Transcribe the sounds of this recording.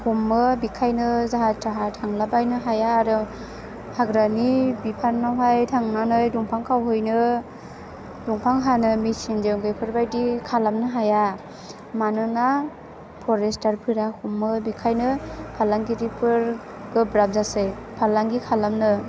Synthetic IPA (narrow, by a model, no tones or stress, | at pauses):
humːɯbikʰajnɯzaɦatʰaɦatʰaŋlabajnɯɦajaːɾɯ | haɡɾanibipʰannawɦajtʰaŋnanɯjduŋpʰaŋkʰawɦɯjnɯ | duŋpʰaŋɦanɯmisind͡ʒeŋɡɯjpʰɯɾbajdikʰalamnɯɦaja | manɯna | pʰɔɾestʰaɾpʰɯɾahumːɯbikʰajnɯpʰalaŋɡiɾipʰɯɾ | ɡ̥ɯbɾab̚zasɯjpʰalaŋɡikʰalamnɯ